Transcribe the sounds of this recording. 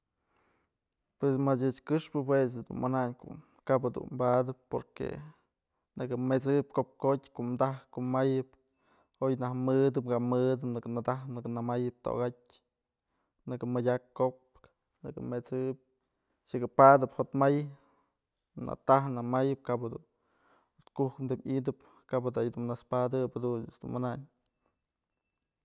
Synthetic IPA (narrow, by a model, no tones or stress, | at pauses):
pwesmat͡ʃɨt͡ʃkɨʂpɨpwes̬d̪ṵnmanaɲko̰ʔ | kapɨd̪ṵnmbad̪ɨp̚poɾkḛ | nɨkɨmet͡sɨp̚kop̚kotʲkoʔmd̪ahkoʔmajɨp̚ | ojnahmɨd̪ɨpkamɨd̪ɨnɨknad̪aɦnɨknɨmajɨp̚t̪o̰ɡat̚ʲ | nɨkɨmɨdʲakːop̚ | nɨ̰kɨ̰met͡sɨp̚ | ʃɨkɨpad̪ɨphot̪maj | na̰t̪aɦnamajɨp̚kapad̪ṵn | ot̪kuhkmd̪ɨmʲid̪ɨp | kapad̪ajd̪unnaspad̪ɨphad̪unɨsd̪ṵnmɨnaʔɲ